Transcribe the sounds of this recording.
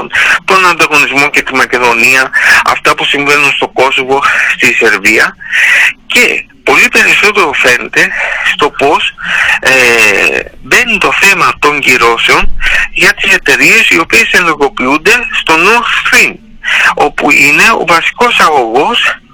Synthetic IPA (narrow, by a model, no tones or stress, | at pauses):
nt̪o̞nɐnd̪ɐɣo̞nizmo̞ce̞t̪imɐce̞ðo̞niɐɐ̰ft̪ɐpusiɱve̞nunst̪o̞ko̞so̞vo̞st̪ise̞ɾviɐ | ce̞̰po̞lipe̞ɾiso̞t̪e̞ɾo̞fe̞ne̞t̪e̞st̪o̞po̞s | be̞nit̪o̞θe̞mɐt̪o̞ɲɟiɾo̞seo̞nʝɐt̪ise̞t̪e̞ɾie̞sio̞pie̞se̞loɾɣo̞piund̪e̞st̪o̞noɾt̪st̪ɾim | o̞pṵine̞o̰vɐsi̥ko̞sɐɣo̞ɣo̞s